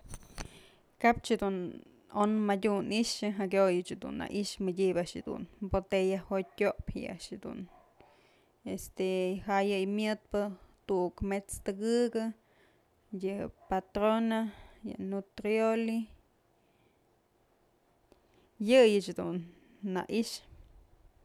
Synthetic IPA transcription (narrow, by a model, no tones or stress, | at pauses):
kap̚t͡ʃed̪un | onmadʲuniʔʂɨɦaɡjojɨt͡ʃed̪ṵnːa̰ʔiʃmədʲibaʔʂed̪ṵnbot̪ejahot̚ʲkʲoʔpha̰ja̰ʔʃed̪ṵn | est̪eɦaʔjɨjmjɨt̪̚pɨt̪uukmet͡st̪ɨɡɨɡɨ | jɨpat̪ɾonajɨ̰nut̪ɾioli | jɨjɨt͡ʃd̪ṵnː | a̰ʔiʃ